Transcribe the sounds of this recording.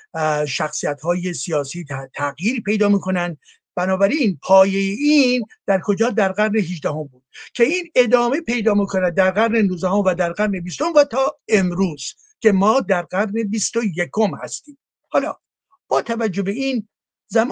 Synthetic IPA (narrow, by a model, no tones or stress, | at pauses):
ʃæxsijæt̪hɒːje̞sijɒːsiːtt̪ʰæɣjiːɾpʰe̞jd̪ɒːmiːkʰo̞nænd̪ | b̥ænɒːbæɾinpʰɒːje̞jeiːnd̪̥æɾkʰo̞d͡ʒɒːd̪æɾɡæɾne̞ɦiʒd̪æɦo̞mbuːd̪̥̚cʰe̞iːne̞d̪ɒːme̞pe̞jd̪ɒːmikʰo̞næd̪̚ːæɾɣæɾne̞nuːzd̪æɦo̞mvæd̪æɾɡæɾne̞bist̪o̞mvæt̪ʰɒːe̞mɾuːz̥ | cʰe̞mɒːd̪æɾɡæɾne̞bist̪o̞je̞kʰo̞mhæ̰st̪iːm | hɒːlɒː | b̥ɒːt̪ʰævæd͡ʒːo̞be̞iːn | zæm